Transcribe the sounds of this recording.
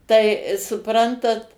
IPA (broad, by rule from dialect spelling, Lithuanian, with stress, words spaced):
ˈtɐɪ sʊˈprɐntɐt